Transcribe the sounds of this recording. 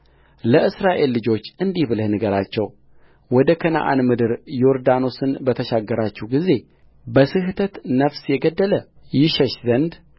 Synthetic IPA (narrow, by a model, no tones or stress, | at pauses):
ləʔɨsɾaʔe̞lːɨd͡ʒo̞t͡ʃːʔɨnd̪ihβləhnɨɡəɾat͡ʃːɛw | wɔd̪əkʰəna̰ʔa̰nmɨd̪ɨɾjo̞ɾd̪ano̞sɨnbət̪ʰəʃaɡːəɾat͡ʃːɛhɡize̞ | bəsɨht̪ʰət̪nəfsjɛɡəd̪ːələ | jɪʃɛʃzənd̪